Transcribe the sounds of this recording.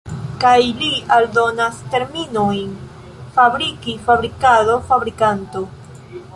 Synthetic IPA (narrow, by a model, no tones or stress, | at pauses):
kajlialdo̞naste̞ɾminojn | fabɾikifabɾikado̞fabɾikanto̞